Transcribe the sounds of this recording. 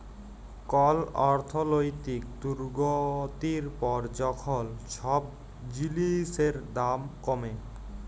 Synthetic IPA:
kɔlɔɾt̪ʰolojt̪ikd̪uɾɡot̪iɾpɔɾd͡ʑɔkʰolʃʰɔb̚ | d͡ʑiliseɾd̪amkɔme

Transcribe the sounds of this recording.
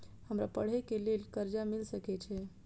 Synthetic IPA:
həmɾapəɽ̤ɛkelelkəɾd͡ʒamilsəkɛt͡ʃʰɛ

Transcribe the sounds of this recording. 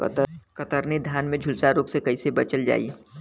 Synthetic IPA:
kət̪əɾned̪ʱjaːnmẽd͡ʒʱʊlsaɾoːksekɐisebət͡ʃəld͡ʒa̰ːḭ

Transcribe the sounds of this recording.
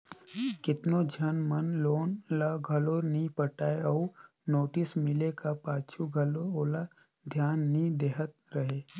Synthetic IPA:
kɪt̪nod͡ʒʱjənmɐnloːnlaɡʱɐloːɾnĩpəʈaːeɔː | noːʈɪsmɪlekapaːt͡ʃʰuɡʱɐlooːla | d̪ʱjaːnːĩd̪eːɦət̪̚ɾɐɦeː

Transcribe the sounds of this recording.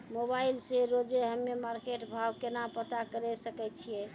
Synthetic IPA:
mobailseɾod͡ʒeɦəmːemaɾkeʈbʱawkenapət̪akəɾɛsəkɛt͡ʃʰije

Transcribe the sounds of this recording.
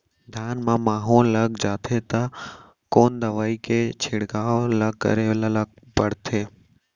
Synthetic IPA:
d̪ʱjaːnmãmaːɦũlɐɡd͡ʒaːt̪ʰet̪ɐ | koːnd̪ɐʋaːikʰeːt͡ɕʰɪɽɡaːolɐɡkːə̰ɾeʋlalɐɡ̚ | pɐɽt̪ʰeː

